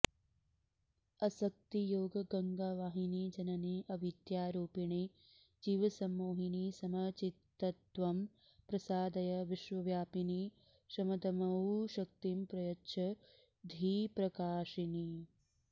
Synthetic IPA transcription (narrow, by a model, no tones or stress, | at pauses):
ɐsɐk̚t̪ijoːɡɐɡɐŋɡaːʋaːɦinid͡ʒɐnɐniʔɐʋit̪jaːɾuːpiɳi | d͡ʒiːʋɐsɐmːoːɦinisɐmɐt͡ʃit̪ːɐt̪ʋɐm | pɾɐsaːd̪ɐjɐʋiʃʋɐʋjaːpini | ʃɐmɐd̪ɐmɐuʃɐk̚t̪impɾɐjɐtːʃʰɐ | d̪ʱiːpɾɐkaːʂini